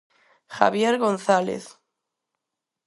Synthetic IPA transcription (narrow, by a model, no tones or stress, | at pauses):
xa̰βjeɾɣo̞nθalḛθ